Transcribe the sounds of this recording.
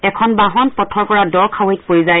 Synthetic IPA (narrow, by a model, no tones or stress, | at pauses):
ɛkʰɔnbaɦɔnpɔtʰɔɹpɔɹadɔɹkʰawet̚pojzaj